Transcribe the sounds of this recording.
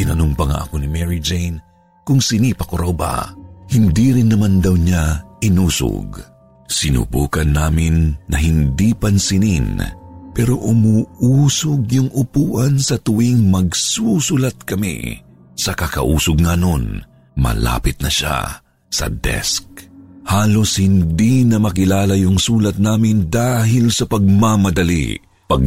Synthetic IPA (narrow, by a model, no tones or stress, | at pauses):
ʔɪnɐnʊmpɐŋa̰ʔɐkonimɛɹid͡ʒejn | kʊŋsɪnipɐkoɾawba̰hɪnd̪iɾɪnːɐmand̪ɐwɲaɪnuːsʊ̰ɡ | sɪnṵbuːkɐnːaːmɪnːɐɦɪnd̪ipɐnsɪninpɛɾoʔʊmuːuːsʊɡjʊŋʔʊpuːʔɐnsɐt̪ʊwiŋmɐɡsusʊlat̪̚kɐmḭ | sɐkɐkɐ̰ʔuːsʊɡŋɐʔno̞n | mɐ̰la̰ːpɪt̪̚nɐʃa̰ | sɐ̰d̪ɛ̰sk̚haːlo̞shɪnd̪inɐmɐkɪlaːlɐjʊŋsuːlɐt̪̚naːmɪnd̪aːɦɪlsɐpɐɡ̚mamɐd̪ɐlḭ | pɐɡ̚